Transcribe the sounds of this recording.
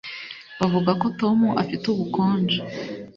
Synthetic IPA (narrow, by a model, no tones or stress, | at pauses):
βavuɡako̞to̞muʔa̰fituβukoːnd͡ʒe